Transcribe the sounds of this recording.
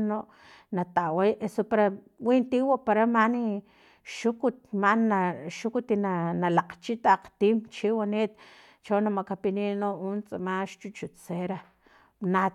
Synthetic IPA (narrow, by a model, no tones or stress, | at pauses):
noʔ | nat̪aʔwejʔesopaɾa | wiʔnt̪iwapaɾamani | ʃukut̪maʔnaʃukut̪inanalaqt͡ʃit̪aq͡χt̪iːmt͡ʃiwaneːt̪̚ | t͡ʃawnamaʔkapiniʔnoʔunt͡sʼamaʃt͡ʃut͡ʃut͡seɾa | na